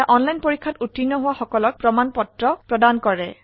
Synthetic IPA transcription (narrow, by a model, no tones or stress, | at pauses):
aʔɔnlajnpoɹikʰːatutːinːɔɦʊwaxɔkɔlɔk̚pɹɔmanpɔtɹɔpɹɔdankɔɹɛ